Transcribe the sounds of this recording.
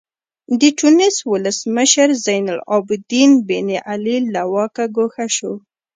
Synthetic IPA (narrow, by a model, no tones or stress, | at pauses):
d̪əʈunɪswʊləsməʃəɾzajnʊlɑ̰bɪd̪inbeniʔalilawɑkaɡoxaʃo